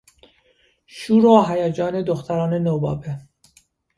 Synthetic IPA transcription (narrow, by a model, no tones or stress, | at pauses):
ʃuːɾoːɦæjæd͡ʒɒːned̪oxt̪ʰæɾɑːnenoːbɒ̰ːbe